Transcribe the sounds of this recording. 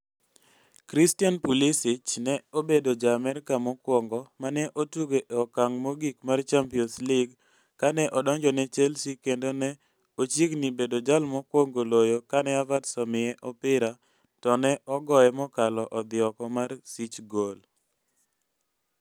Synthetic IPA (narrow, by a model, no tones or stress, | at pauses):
kɾistianpulisɪt͡ʃnɛobedod͡ʒamɛɾkamɔkwɔŋɡɔmanɛʔotuɡeʔɔkaŋmoɡikmart͡ʃampiɔnslɪɡ | kanɛʔɔdɔɲd͡ʒɔnɛt͡ʃɛlsikendonɛ | ot͡ʃiknibedod͡ʒalmɔkwɔŋɡolojokanɛavatsɔmɪɛʔɔpɪɾa | tɔnɛʔɔɡɔɛmɔkalɔʔɔd̪ɪɔkɔmarsit͡ʃɡol